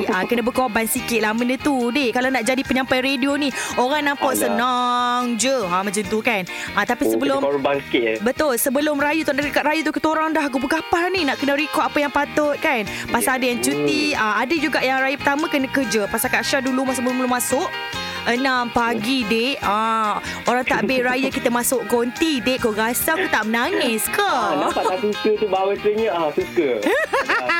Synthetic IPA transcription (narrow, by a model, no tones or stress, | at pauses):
akənəbəkoabansikɪt̪̚lahmənət̪udɪhkalawnaʔd͡ʒadipəɲãmpajɾedionioɾaŋnãmpasənaŋd͡ʒəamə̃t͡ʃənt̪ukan | at̪apisəbəlʊmkbət̪ʊlsəbəlʊmɾajut̪ʔdakaʔ̪̚ɾajut̪ukət̪oɾaŋdahɡubukapaninaʔkənə̃ɾikɔapəjaŋpat̪ʊt̪̚kanpasaadajaŋt͡ʃut̪iəadəd͡ʒuɡaʔjaŋɾajəpərt̪amãkənəkərd͡ʒəpasakaʔʃadulumas̬ʊʔ̚bəlʊbəlʊmasʊʔ | ənampaɡideʔə | oɾaŋt̪aʔbeɾajakit̪əmasʊʔɡont̪ideʔkoɡasakut̪aʔmənaŋɪskəlt̪aasukət̪ubawət̪ɾəɲəʔasukə